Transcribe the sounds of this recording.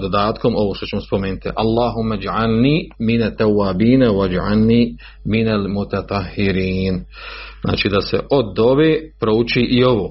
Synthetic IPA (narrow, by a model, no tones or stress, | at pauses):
d̪od̪aːt̪ko̞mo̞ʋoːʃt̪ot͡ɕemospo̞meːnut̪ḭʔalˠːaːɦumːad͡ʒʕalniːminat̪ːawːaːbiːnawad͡ʒʕa̰lniː | minalmut̪at̪ˤɑhːɪɾiːn | zna̰ːt͡ʃiːd̪asḛʔod̪o̞beːpɾout͡ʃiːʔio̞ʋoː